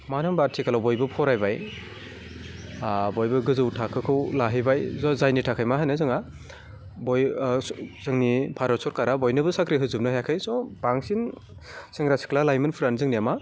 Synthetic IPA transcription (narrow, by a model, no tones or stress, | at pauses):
manɯmbaɾtʰikalawbɔjbɯpʰɔɾajbaj | bɔjbɯɡɯzɯwtʰakʰɯkʰɯwlaɦɯjbajzzajnitʰakʰajmaɦanɯzɯŋa | bɔj | zɯŋnipʰaɾɔsɔɾkaɾabɔjnɯbɯsakɾiɦɯzɯp̚nɯhajakʰɯjsɔbaŋsin | siŋɾasi̥klalajmɯnpʰuɾanzɯŋnijama